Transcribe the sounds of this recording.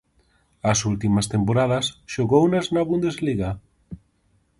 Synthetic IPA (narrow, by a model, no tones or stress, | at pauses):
asult̪imast̪empoɾað̞asʃoɣownaznaβund̪ezliɣa